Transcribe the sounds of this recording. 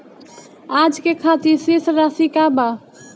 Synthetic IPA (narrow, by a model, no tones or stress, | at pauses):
ad͡ʒkekʰat̪iɾsisɾasikaba